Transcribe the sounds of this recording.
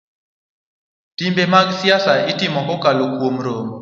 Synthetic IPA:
timbɛmakisjasaitimɔkɔkalokwom̩ɾom

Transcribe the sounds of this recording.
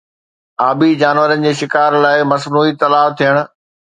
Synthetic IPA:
aːbid͡ʑaːnʋəɾənɪ̆d͡ʑeːʃɪkaːɾlaːɪmɐsnuːit̪ɐlaːʋt̪ʰijəɽ̃ʊ̆

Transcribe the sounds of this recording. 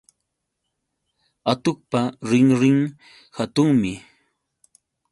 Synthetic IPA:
at̪ʊkpaɾɪŋɾɪŋ | hat̪ʊŋmɪ

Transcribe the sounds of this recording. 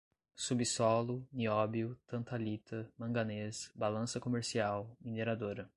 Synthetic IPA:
subisɔlʊniɔbiʊt̪ɐ̃nt̪alit̪ʰɐmɐ̃ŋɡɐnesbalɐ̃sɐkomeɾsiawĩd̪eɾad̪oɾɐ

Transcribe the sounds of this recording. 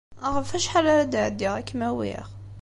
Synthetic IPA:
ʁəfæʃħalæɾæd̪əʕd̪iʁækːmæwḭʁ

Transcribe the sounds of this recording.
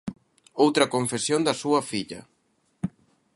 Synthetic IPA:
owt̪ɾɐkoɱfesjond̪ɐsuɐfiʎɐ̰

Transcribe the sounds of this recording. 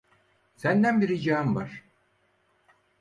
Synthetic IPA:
sænd̪ænbiɾid͡ʒaamvaɾ̥

